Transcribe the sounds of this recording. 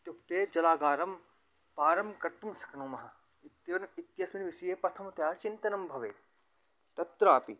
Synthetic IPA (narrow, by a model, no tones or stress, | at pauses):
t̪jukt̪eːd͡ʒɐlaːɡaːɾɐm | paːɾɐmkɐɾʈ̪umsɐ̥knoːmɐɦɐ | ɪt̪jɐɐnɪt̪jɐsmɐnʋɪsijeːpɐt̪ʰɐmɐt̪jaːt͡ʃɪnt̪ɐnɐmbʱɐʋḛː | t̪ɐt̪ɾaːpḭ